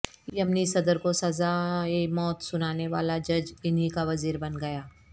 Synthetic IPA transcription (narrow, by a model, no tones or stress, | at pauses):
iɦɐmnisɐd̪əɾkosɐzaemɔːt̪sʊnaːneʋa̰ːlad͡ʒɐd͡ʒɪnɦikaʋɐziːɾbɐnɡɐjaː